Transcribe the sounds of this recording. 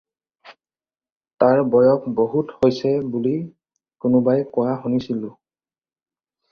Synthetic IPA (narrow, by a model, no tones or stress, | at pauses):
taɹbɔjɔkboɦuthojsɛbuli | kʊnʊbajkɔjaɦunisilʊ